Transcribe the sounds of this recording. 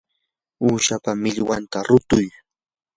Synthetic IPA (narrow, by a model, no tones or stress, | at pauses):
uːʃapamɪʎwant̪aɾʊt̪ʊj